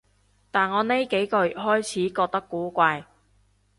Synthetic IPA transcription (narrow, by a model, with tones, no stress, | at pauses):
t̪aː˨˩nŋɔː˨˧ne˥jke˨˥jkɔː˧jy˨˩t̚ɦɔː˥jt͡sʰiː˨˥kɔː˧k̚t̪ɐ˥kːuː˨˥kʷaː˧j